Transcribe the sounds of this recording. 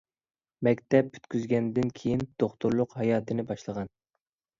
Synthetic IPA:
mɛkʲt̪ɛpy̥t̪kʲʰyzɡʲɛnd̪ɪnkʲʰejind̪̥oχt̪uɾlˠʊqhɑjɑːt̪ʰɨnɪbɑʃlˠəʁɑn

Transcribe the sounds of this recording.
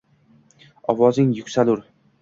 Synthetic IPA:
ɒwɒzɪŋjʊkʲsalʊɾ

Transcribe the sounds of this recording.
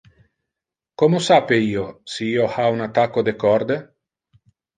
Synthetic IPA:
komosapeiːosiiohaunat̪akod̪ekɔɾd̪e

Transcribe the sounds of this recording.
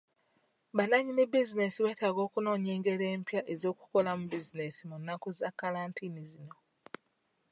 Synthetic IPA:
βanaɲinebizine̞siβe̞ːtaɡo̞ːkuno̞ːɲeːŋɡe̞ɾeːmpjaʔezo̞ːku̥ko̞lamubizine̞simunːakozakːalaːntʰinizino̞

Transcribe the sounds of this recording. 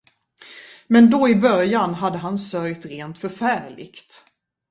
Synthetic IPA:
mɛnd̪ɔɪbœɾjanɦad̪ːəɦansœɾjt̪ɾeːnt̪fœɾfæːɾɭɪ̰kt̪

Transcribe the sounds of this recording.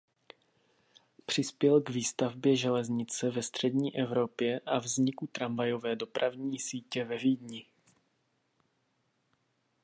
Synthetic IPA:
pr̝̥ɪspjɛlɡviːst̪avbjɛʒɛlɛzɲɪt͡sɛvɛst̪r̥ɛdɲiːʔɛvɾo̞pjɛʔavzɲɪkut̪ɾamvajo̞vɛːdo̞pɾʔavɲiːsiːcɛvɛviːdɲɪ

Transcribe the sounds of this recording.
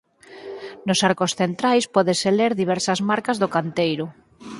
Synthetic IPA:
nosaɾkosθent̪ɾajspɔðeseleɾðiβ̞ɛɾsazmaɾkazðokant̪ejɾʊ

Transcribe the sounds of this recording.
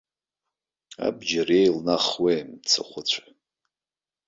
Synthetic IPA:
a̰bd͡ʒarejlnaχwejmt͡sʰa̰χʷʊt͡ɕʷʰḁ

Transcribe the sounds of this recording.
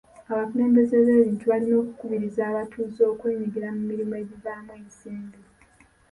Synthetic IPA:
aβakule̞ːmbe̞ze̞βe̞ːβiːntuβalino̞ːku̥kuβiɾizaːβatuːzo̞ːkwe̞ːɲiɡiɾamumːiɾimoe̞ɟizaːmweseːmbi

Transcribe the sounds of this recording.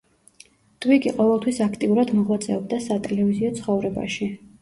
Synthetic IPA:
d̪̥ʼwikʼiqʼɔvɛlˠt̪ʰwisakʰt̪ʼiuɾad̪mɔʁwat̪sʼɛɔbd̪asat̪ʼɛlɛviziɔt̪sʰχɔvɾɛba̰ʃi

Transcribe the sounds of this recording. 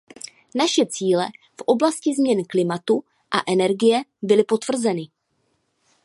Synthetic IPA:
naʃɛt͡siːlɛ | fʔo̞blascɪzmɲɛnklɪmat̪u | ʔa̰ʔɛnɛɾɡɪjɛbɪlɪpo̞t̪vr̩zɛnɪ

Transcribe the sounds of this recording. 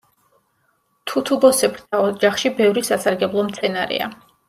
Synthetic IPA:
t̪ʰut̪ʰubɔsɛpɾt̪ʰaɔd͡ʒaχʃibɛvɾisasaɾɡɛblˠɔmt̪sʰɛnaɾɛ̰a̰

